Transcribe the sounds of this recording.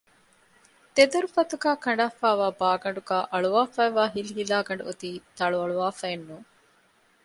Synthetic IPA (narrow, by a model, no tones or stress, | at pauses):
t̪ed̪ɐɾufɐt̪uɡæːkɐɳɖaːfaːʋaːbaːɡɐɳɖuɡaːʔɐɭuʋaːfɐːʋaːɦiliɦilaːɡɐɳɖuot̪iːt̪ɐɭuɐɭuʋaːfɐenːuː